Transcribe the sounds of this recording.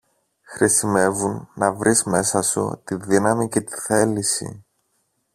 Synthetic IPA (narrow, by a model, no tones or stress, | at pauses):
xɾʔisime̞vunːɐvɾʔizme̞sɐsṵt̪iðinɐmice̞t̪i̥θe̞lisḭ